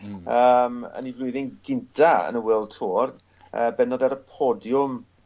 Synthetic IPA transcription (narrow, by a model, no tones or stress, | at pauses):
əːmə̰nivlʊɨðɪŋɡɪntʰaə̰nəwɪlˠtʰoːr | əbɛnɔðɛɾəpʰɔdjʊm